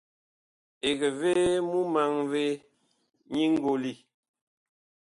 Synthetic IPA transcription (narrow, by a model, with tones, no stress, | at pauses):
e˨ɣə˨ve˦mu˦ma˨ŋve˦ | ɲi˦ŋ̩˦ɡo˨li˦˨